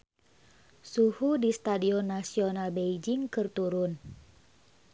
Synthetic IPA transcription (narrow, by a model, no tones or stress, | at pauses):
suhudist̪adiɔnːasiɔnalbeid͡ʒɪŋkɨrt̪uɾʊn